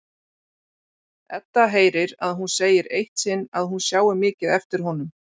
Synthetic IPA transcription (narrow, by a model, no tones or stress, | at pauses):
ɛt̪ːaɦeːjɾɪɾaðɦunseːjɪɾejht̪sɪnːaðɦunsjaːwɪmɪːcɪðɛft̪ɪɾ̥ɦɔn̪ʏm